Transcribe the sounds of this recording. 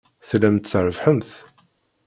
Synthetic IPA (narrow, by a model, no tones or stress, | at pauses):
θlæmt̪θəɾvħənθ